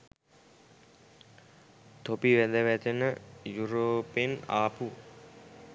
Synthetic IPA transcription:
t̪opiʋæd̪əʋæt̪ənəjuɾoːpena̰ːpu

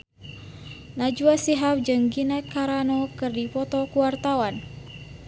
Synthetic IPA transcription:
nad͡ʒuasiɦap̚d͡ʒɨŋɡinakaɾanɔkɨrdipɔt̪ɔkuwart̪awan

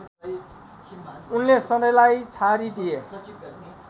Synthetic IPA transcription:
unlesʌdʌjlajt͡sʰaɾiɖije

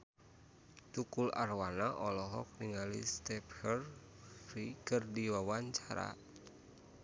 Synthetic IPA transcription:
t̪ukularwanaʔɔlɔɦɔ̰k̚niŋalḭst̪ɛphər | fɾikɨrdiwawaɲt͡ʃaɾa̰

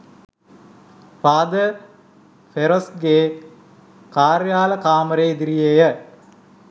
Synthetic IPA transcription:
paːd̪ə | feɾosɡeː | kaːɾjaːləkaːməɾeid̪iɾijejə

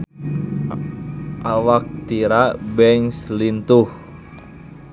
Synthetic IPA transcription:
ʔawak̚t̪iɾabɛŋslint̪uh

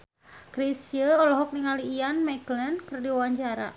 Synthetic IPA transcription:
kɾisəɔlɔɦɔk̚niŋaliːanmaklɛnkərdiwawaɲt͡ʃaɾa̰

